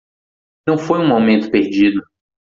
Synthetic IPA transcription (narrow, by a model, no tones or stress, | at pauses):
nɐ̃w̃fojũawmẽnt̪ʊ̥peɾd͡ʒid̪ʊ